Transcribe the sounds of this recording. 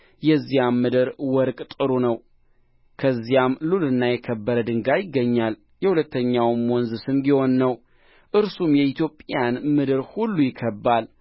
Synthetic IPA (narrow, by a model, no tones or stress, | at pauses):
jɛzːijamːɨd̪ɨɾwɔɾkʼt̪ʼɨɾunəw | kʰəzːijamlulɨnːajɛkʰəbːəɾəd̪ɨŋɡajɪɡːəɲːal | jɛhulət̪ːəɲːawmwɔnzɨsɨnbiho̞nːəw | ʔɨɾsumjɛit̪ʰjo̞pʼjanmɨd̪ɨɾhulːujɪkʰːəbːal